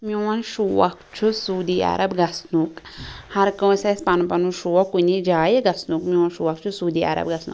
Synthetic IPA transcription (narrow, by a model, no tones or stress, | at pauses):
muwɐnʃuwɐ̰kt͡ʃʰusuːd̪iːa̰ɾɐbɡɐsnukhɐɾkõwsespanpɐnuʃuwɐkːunid͡ʒaːjeɡɐsnukmĩwɐnʃuːwɐkt͡ʃʰusuːd̪ia̰ɾɐ̰bɡɐsnṵ